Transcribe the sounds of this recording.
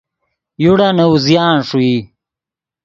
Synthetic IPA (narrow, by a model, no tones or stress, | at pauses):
juɽanɐwuzjaːnʂui